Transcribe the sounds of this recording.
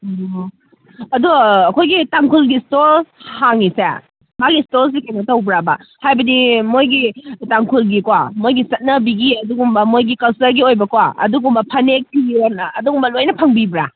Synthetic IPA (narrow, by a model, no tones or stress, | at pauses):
ɐduɐkʰojɡitaŋkʰulɡistoɾhaŋːisḛ | maɡistoɾs̬ikanɐtɐwbɾabɐhajbɐdimojɡitaŋkʰulɡikwamojɡisɐt̚nɐbiɡiɐduɡumbɐmojɡikɐlsɐɾɡiojbɐkwaɐ̰duɡumbɐpʰɐnek̚biɡionɐːduɡumbɐlojnɐpʰɐŋbibɾa